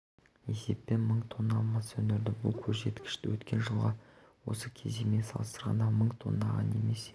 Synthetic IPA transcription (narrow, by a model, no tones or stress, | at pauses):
e̞se̞ppːe̞nməɴt̪ʰo̞nːɑlˠmɑsɵnd̪ɪɾd̪ɪbʊlˠkʲʰɵzʒe̞t̪kʲɪ̥ʃt̪ɪwɵt̪kʲe̞nʒəlˠʁɑ | wo̞̰səkʲʰe̞̰zeme̞nsɑ̰lˠəst̪əɾʁɑ̰nd̪ɑməɴt̪ʰo̞̰nːɑʁɑ̰ne̞̰me̞s